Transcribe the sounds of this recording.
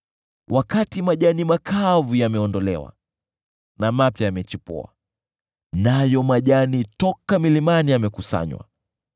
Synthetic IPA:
wʔakatimaʄanimakʰavujamɛɔndɔlɛ̰wa̰ | namapjajamɛt͡ʃipṵa̰ | najɔmaʄanitɔkamilimaniamɛkusa̰ɲwa̰

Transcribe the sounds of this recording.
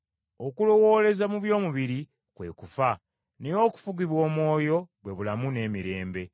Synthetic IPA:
okulo̞wo̞ːle̞zamuβjo̞ːmuβiɾi | kwe̞̰kufa | nejo̞ːku̥fuɡiβwo̞ːmwo̞ːjo̞ɡwe̞βulamune̞ːmiɾe̞ːmbe̞

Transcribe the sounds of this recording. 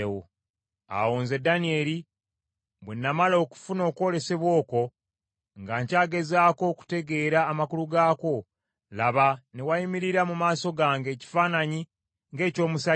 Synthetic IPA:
wo̰ | a̰wo̞ːnzedanie̞li | βwenːamalo̞ku̥funo̞ːkwo̞le̞se̞βwo̞ːko̞ | ŋɡaɲcaːɡe̞zaːko̞ku̥te̞ɡe̞ɾaːmakuluɡaːko̞ | laβane̞waimiɾiɾamumaːso̞ɡaːŋɡe̞ːci̥faːnaɲi | ŋɡe̞ːco̞ːmusa

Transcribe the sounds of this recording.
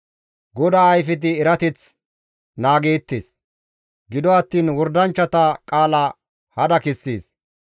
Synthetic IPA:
ɡɔd̪aːjfɪt̪̬ɪːɾɐt̪ɪt͡s | naːɡe̞ːt̪ːḛːs | ɡɪd̪ɔɐt̪ːiːnwɔɾd̪ɐnt͡ʃːɐt̪ɐkʼaːlɐ | hɐd̪ɐkɪsːḭːs

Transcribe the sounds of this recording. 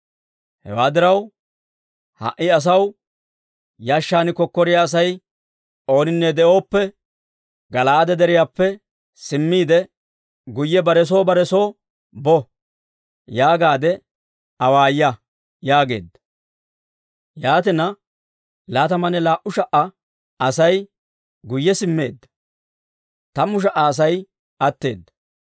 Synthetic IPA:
hɛ̰waːd̪ɪɾɐw | hɐ̰ʔɪɐs̬ɐw | jaːʃːaːnɪkɔkːɔɾɪjaːs̬ɐj | o̞ːnɪnːɛd̪ɛʔo̞ːpːɛ | ɡɐlaːd̪ɛd̪ɛɾɪjaːpːɛ | sɪmːiːd̪ɛ | ɡʊjːɛbɐɾɛs̬o̞ːbɐɾɛso̞ː | bɔ | jaːɡaːd̪ɛ | ɐwaːjːɐ | jaːɡe̞̰ːd̪ːɐ | jaːt̪̬ɪnɐ | laːt̪ɐmɐnɛlaːʔʊʃɐʔɐ | ɐsɐj | ɡʊjːɛsɪmːe̞̰ːd̪ːɐ̥ | t̪ɐmʊʃ̬ɐʔɐːs̬ɐj | ʔɐt̪ːe̞̰ːd̪ːɐ̥

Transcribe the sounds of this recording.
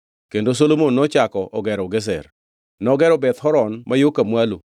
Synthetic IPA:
kendos̬olomonːɔt͡ʃakɔʔɔɡɛɾɔɡɛs̬ɛ̰r | nɔɡɛɾɔbɛt̪hɔɾɔnmajokamwalu

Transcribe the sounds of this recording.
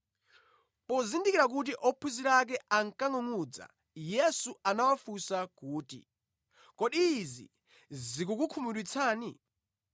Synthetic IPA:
pɔzindikiɾak̬ut̬iʔɔpʰuziɾak̬ɛaŋkaŋɔŋud͡za̰ | jɛsuanawafusakuːtḭ | kɔɗiːzḭ | zikukukʰumuɗit͡sʰaːni

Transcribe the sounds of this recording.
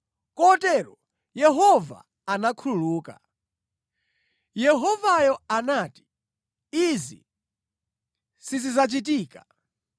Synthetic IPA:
kɔtɛɾɔ | jɛɦɔva̰ | anakʰululuːka̰ | jɛɦɔvajɔanaːti̥ | izḭ | sizizat͡ʃit̬iːka

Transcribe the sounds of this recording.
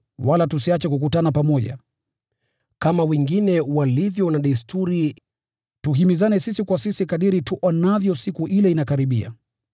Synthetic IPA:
walatusiat͡ʃɛkuk̬utanapamɔʄa̰ | kamawɛŋɡinɛwalivjɔnaɗaistʰuɾi | tuɦimizanɛsisikwasisikaɗiɾituʔɔnavjɔsikuʔilɛinakaɾiɓḭa̰

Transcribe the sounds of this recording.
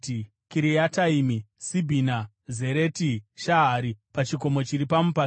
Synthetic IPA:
kiɾijataimisibʱina | ze̞ɾe̞tiʃaɦaɾipat͡ʃiko̞mo̞t͡ʃiɾipamupa

